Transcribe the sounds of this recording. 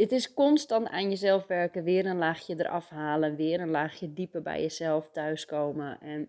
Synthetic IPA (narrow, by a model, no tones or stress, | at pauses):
dɪtɪskɔnstanta̰ːnjəsɛlˠfʋɛrkəʋɪərdɔnlaːxjədərʔɔfhaːlənʋɪərdɔnlaːxjədipərbɛ̰jəsɛlˠftœɥskoːməʔɛn